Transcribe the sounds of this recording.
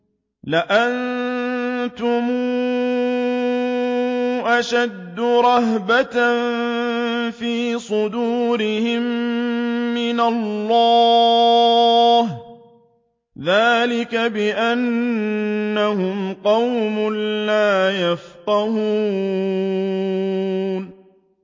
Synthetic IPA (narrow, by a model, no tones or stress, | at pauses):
lɪʔan | t̪ʊmuː | ʔaʃad̪ːʊɾˤɑɦbat̪ | fiːsˤʊd̪uːɾɪhɪmː | ɪnalːɑː | h | ðaːlɪkabɪʔanː | ahʊmqɑwmʊllaːjafq̪ɑhuː | n